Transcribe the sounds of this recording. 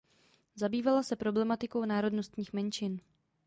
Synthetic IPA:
zabiːvalasɛpɾo̞blɛmat̪ɪko̞wnaːɾo̞dno̞st̪ɲiːxmɛnt͡ʃɪn

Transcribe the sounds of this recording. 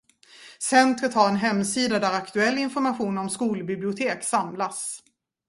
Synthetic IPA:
sɛnt̪ɾət̪haɾɛnɦɛmːsiːd̪ad̪æɾakt̪ɵɛlːɪnfɔɾmaɧuːnɔmskuːlbɪblɪʊt̪ʰeːksamlas

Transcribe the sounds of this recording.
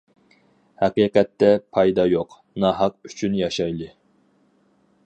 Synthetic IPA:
hæqiːqɛt̪ːɛpʰɑjd̪ɑjoq | nɑɦɑq̚y̥t͡ʃʰynjɑʃɑjlˠɨ

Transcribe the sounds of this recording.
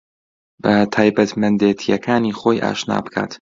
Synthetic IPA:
bæt̪ʰaːjbæt̪ʰmɐnd̪eːt̪ʰijakʰaːniːxoːjʔa̰ːʃna̰ːbkʰa̰ɾd̪̥

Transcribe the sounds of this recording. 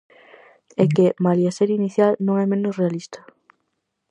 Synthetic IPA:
ɛkemaljaseɾiniθjalnõŋɛmẽnʊsrealist̪ɐ̥

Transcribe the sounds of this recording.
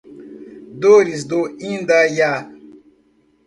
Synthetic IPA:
doɾis̬doĩndaja

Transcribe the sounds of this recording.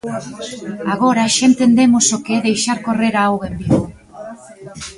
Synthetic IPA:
aɣo̞ɾaʃent̪end̪e̞mosokeðejʃaɾko̞re̞ɾaawɣembiɣu

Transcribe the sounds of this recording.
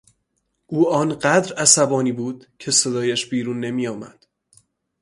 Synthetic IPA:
ʔuːɒːnɢæd̪ɾæsæbɒːniːbuːd̪̥cʰe̞se̞d̪ɒːjæʃbiːɾuːnːe̞miːjɒːmæ̰d̪̥

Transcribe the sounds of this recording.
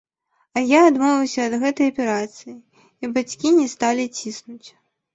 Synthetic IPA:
ɐjaːd̪mɔvʲɐwsʲɐːd̪ɣɛt̪ɐjɐpʲɛɾat̪sɨjiː | bat͡sʲkʲinʲɛst̪alʲit͡sʲisnut͡sʲ

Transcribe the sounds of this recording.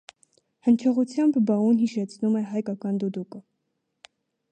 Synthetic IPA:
hənt͡ʃʰɔʁut͡sʰjɑmbbɑunɦiʃɛt͡sʰnumɛɦɑjkɑkɑnd̪ud̪ukə

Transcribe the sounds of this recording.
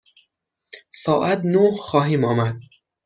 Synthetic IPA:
sɒːʔæt̪nohxɒːɦiːmɒːmæd̪̥̚

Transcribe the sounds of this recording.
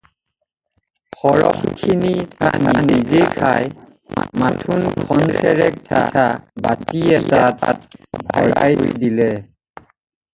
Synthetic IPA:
xɔɹɔ̰xkʰinitaninizekʰaj | matʰunkʰɔnsɛɹɛk̚tʰatʰabatiɛtata̰t̚bʱɔ̰ɹa̰jdilɛ

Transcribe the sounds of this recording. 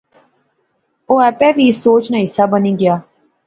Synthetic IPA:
oːɛːpɛːʋiːsoːt͡ʃnãːɪsaːbəniːɡɪjaː

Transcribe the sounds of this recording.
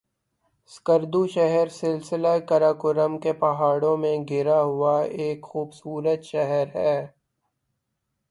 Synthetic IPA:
skəɾd̪uʃɛɦəɾsɪlsɪlakəɾaːkʊɾəmkepɐɦaːɽõmẽɡɪɾaɦʊaeːkxuːbsuːɾət̪ʃɛɦəɾɦɛː

